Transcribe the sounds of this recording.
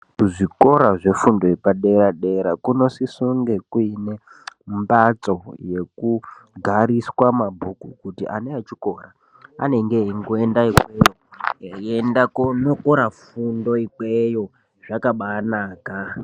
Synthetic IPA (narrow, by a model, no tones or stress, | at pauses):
kuʐiko̞ɾaʐe̞fundo̞ipaɗe̞ɾaɗe̞ɾakuno̞sisuŋɡe̞kuine̞ | mbat͡so̞je̞kuɡʱaɾiswamabʱukukutiʔaneat͡ʃiko̞ra | a̰ne̞ŋɡeŋɡue̞ndaikejo | endakonokoɾafundo̞ikwejo̞ | ʐakaɓanaːka